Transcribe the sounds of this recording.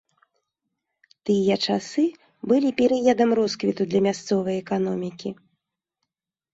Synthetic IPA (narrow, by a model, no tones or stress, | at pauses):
t̪ɨjɐt͡ʂasɨ | bɨlʲipʲɛɾɨjad̪ɐmrɔskvʲit̪ud̪lʲɐmʲast̪sɔvɐjɛkan̪ɔmʲikʲi